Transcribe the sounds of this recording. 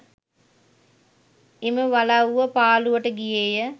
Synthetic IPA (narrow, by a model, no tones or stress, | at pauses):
eməʋalauʋəpaːluʋəʈəɡijejə